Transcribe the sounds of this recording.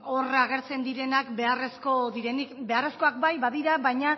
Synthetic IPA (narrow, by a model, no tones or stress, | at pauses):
o̞raɣe̞ɾt͡se̞nd̪iɾe̞nakbe̞aresko̞ðiɾenikbe̞are̞sko̞ak̚bajβaðiɾaβajɲa